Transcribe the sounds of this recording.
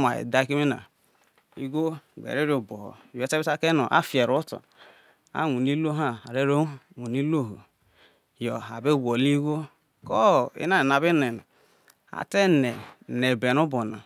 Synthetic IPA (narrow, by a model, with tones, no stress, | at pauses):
ma̰˨ḭ˨da˦ki˦me˦na̰˨ | ḭ˦ɡo˦ɡ͡bḛ˨ɾe˦ɾo˦˨bo˨ho̰˨e˦te˦bi˦a˦ke˦no̰˨ʔa̰˦fi˨e˨ɾu˦to̰˨ | a̰˦ŋʷu˨ni˦lo˦ɦa˦˨a˨ɾe˦ɾo˦ŋʷu˨ni˦lo˦˨ɦo̰˨ | jo˨a˨be˦˨ɡo˨li˦ɡʷo˦ | kɔ˦˨ḭ˦na˦e˨na˨be˦ne˨na˨ | a̰˨te˦ne˨ne˨be˨nu˦bo˨na̰˨